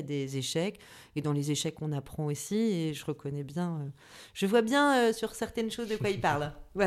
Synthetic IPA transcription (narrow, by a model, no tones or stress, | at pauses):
d̪ezeʃɛk | ed̪ɑ̃lezeʃɛkːɔ̃napχɑ̃osieʒəʁəkɔnɛbjɛ̃ø | ʒ̥əvwabjɛ̃øsyʁsɛʁt̪ɛnʃozd̪əkwailpaʁlva